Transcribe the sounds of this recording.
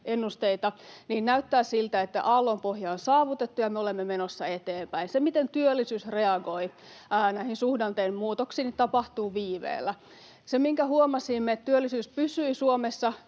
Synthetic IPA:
enːust̪eit̪ɑniːnnæyt̪ːæːsilt̪æet̪ːæ̰ʔɑlːompohjɑonsɑːʋut̪et̪ːujɑmeolemːemenosːɑet̪eːmpæinsemit̪ent̪yølːisyːsreɑɡoiː | næihinsuhdɑnt̪eimmuːt̪oksiːnit̪ɑpɑht̪uːʋiːʋḛːlːæ | semiŋkæhuomɑsimːeett̪yølːisyːspysyisuomesːɑ

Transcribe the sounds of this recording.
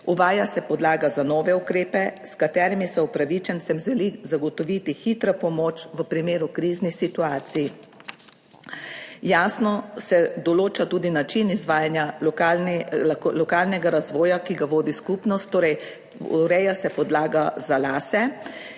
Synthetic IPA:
uʋaːjasɛpɔd̪laːɡazanɔːʋɛukɾeːpɛskat̪ɛːɾimisɛupɾaʋit͡ʃɛnsɛmʒɛlizaɡɔt̪ɔʋiːt̪ixit̪ɾapɔmoːt͡ʃʋəpɾimeːɾukɾiːznisit̪uaːt̪siji | jaːsnɔsɛd̪ɔloːt͡ʃat̪uːd̪inat͡ʃinizʋaːjanjaa | lɔkaːlnɛɡaɾazʋɔːjakiɡaʋoːd̪iskupnɔst̪ːoːɾɛj | ṵɾɛjasɛpɔd̪laːɡazalaːsɛ

